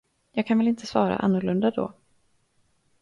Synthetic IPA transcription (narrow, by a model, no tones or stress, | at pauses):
jɑːɡkʰanvɛlɪnt̪ʰəsvɑːɾa̰ʔa̰nːʊɭɵnd̪ad̪ɔ̰ː